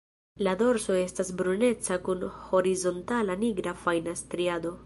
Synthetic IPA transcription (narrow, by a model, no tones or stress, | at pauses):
lado̞ɾso̞e̞stasbɾune̞t͡sakunho̞ɾizo̞ntalaniɡɾafajnastɾiado̞